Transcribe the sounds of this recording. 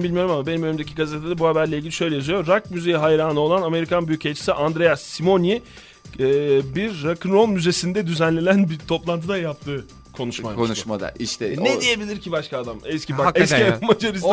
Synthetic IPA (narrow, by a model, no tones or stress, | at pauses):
mbilʲmijo̞ɾumamabe̞nimønymd̪ecʰiɡazet̪ʰed̪abuhabæɾlʲeilʲɟilʲiʃø̞jlʲejazyjo̞ɾakmyze̞jiɦajɾaːnɯo̞lˠaname̞ɾikʰanbyjycʰelʲt͡ʃʰi̥siʔand̪ɾe̞jasːimo̞niː | biɾːakʰɯnɾo̞lˠmyze̞sind̪ɛd̪yzænlʲe̞nænbit̪ʰo̞plˠant̪ʰɯd̪ajap̚t̪ʰɯː | kʰo̞nuʃmakonʃmad̪a̰iʃt̪ɛnɛd̪ije̞bilʲiɾcibaʃkaːd̪amɛscibaɛsimad͡ʒoɾis